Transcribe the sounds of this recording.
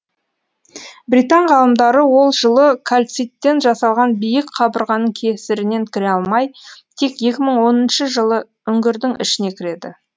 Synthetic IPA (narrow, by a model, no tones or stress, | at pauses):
bɾijt̪ɑnʁɑlˠəmd̪ɑɾəwo̞lˠʒəlˠəkʰalʲt̪sijt̪ːe̞nʒɑsɑlˠʁɑnbijɪkqʰɑbəɾʁɑnəɴkʲʰe̞sɪɾɪne̞nkʲʰɪɾeɑlˠmɑjt̪ʰe̞kje̞kʲɪməɴwo̞nənʃəʒəlˠə | ʏŋɡʲɪɾd̪ɪŋʔɪ̰ʃɪne̞kʲʰɪɾe̞d̪ɪ̰